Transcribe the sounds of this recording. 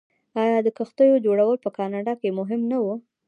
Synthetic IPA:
ɑjɑd̪əkəxt̪əjod͡ʒoɽawəlpəkɑnɑɖɑkemʊɦɪmnawu

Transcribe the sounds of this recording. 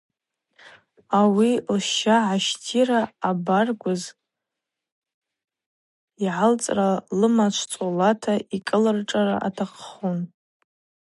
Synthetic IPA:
awilʃaʕaʃtʰiraːbarɡʷʊz | iʕalt͡sʼralɨmat͡ʃʷʰt͡sʼolatʰaikʼɨlɨrʈ͡ʂʼaraʔa̰tʰaqʰχun

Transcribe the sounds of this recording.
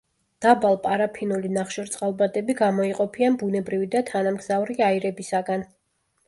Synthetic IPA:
d̪̥abalˠpʼaɾapʰinulinaχʃɔɾt̪sʼqʼalˠbad̪ʼɛbiɡamɔiqʼɔpʰianbunɛbɾivid̪at̪ʰanamɡz̥avɾiaiɾɛbisaɡan

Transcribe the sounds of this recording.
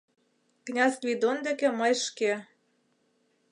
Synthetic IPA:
knʲɑzvʲid̪ond̪ĕkĕmɤjʃke

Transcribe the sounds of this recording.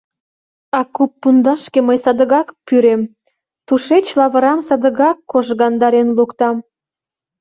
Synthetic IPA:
ɑkupːund̪ɑʃkeməjsɑd̪əɣɑkpyɾem | t̪uʃet͡ɕlɑβə̆ɾɑmsɑd̪əɣɑkːoʒɣɑnd̪ɑɾenlukt̪ɑm

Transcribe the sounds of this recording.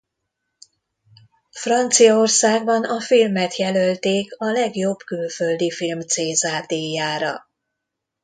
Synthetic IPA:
frɒnt̪sijɒo̞rsaːɡ̚bɒnɒfilmɛt̪jɛlølt̪eːkɒlɛɡjo̞bkylfø̞ld̪ifilmt̪seːzaːrd̪eːjaːɾɒ̰

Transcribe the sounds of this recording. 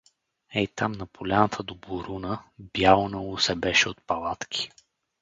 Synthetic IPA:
ɛjt̪amnɐpʰolʲanət̪ʰəd̪oboɾunəbjalonɐlˠʊsɛbɛʃɛot̪̚pɐlˠat̪kʰʲi̥

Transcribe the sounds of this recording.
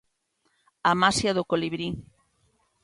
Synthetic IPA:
amasjaðokoliβɾi

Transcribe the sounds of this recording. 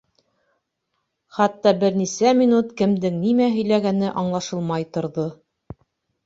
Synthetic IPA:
χɑt̪ːɑbɘɾnisæmʲinut̪kɘ̆md̪ɘŋnimæɦɵ̆jlæɡænɘʔɑɴlˠɑʃɤlˠmɑjt̪ŏɾðo

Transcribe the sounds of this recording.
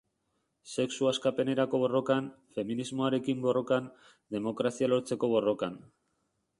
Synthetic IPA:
se̞ksuaskape̞ne̞ɾako̞βo̞ro̞kan | fe̞minizmo̞aɾe̞kimbo̞ro̞kan | d̪e̞mo̞kɾasialo̞ɾt͡se̞ko̞β̞o̞ro̞kan

